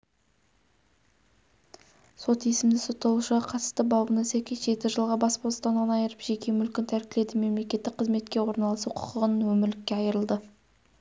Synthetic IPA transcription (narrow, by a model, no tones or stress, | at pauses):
so̞t̪jesɪmd̪ɪso̞t̪ːɑlˠuʃəʁɑqʰɑt̪ə̥st̪əbɑwbənɑsækʲejʒe̞t̪ɪʒəlˠʁɑbɑspost̪ɑnɑnɑjəɾəpʒ̥e̞kʲʰe̞mʏlkʲɪnt̪ʰæɾkʲɪle̞d̪ɪme̞mle̞kʲe̞t̪ːɪk̚qʰːəzme̞t̪̚kʲe̞wo̞ɾnɑlˠəsuqʰʊ̥qʰəʁənənwɵmɪɾlɪkʲːe̞ɑjəɾəlˠd̪ə